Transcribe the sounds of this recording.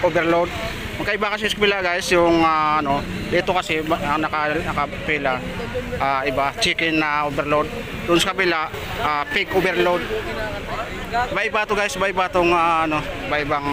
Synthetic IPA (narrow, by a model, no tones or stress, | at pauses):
ʔobɛɾlod̪̚ | mɐɡkɐʔɪbakɐs̬ɛsɐkɐpɪlaʔɡajɪsjʊŋaʔɐno̞ | d̪iːt̪okɐsɛɐnɐkalnɐkɐpɛla | ʔaɪbat͡ʃiːkɪnːɐʔobɛɾlod̪̚ | d̪ʊnsɐkɐpɪlaʔ | apekobɛɾlod̪̚ | baʔɪbaːt̪oɡaːjɪsbaɪbaːt̪oŋaːnobaʔɪbaŋ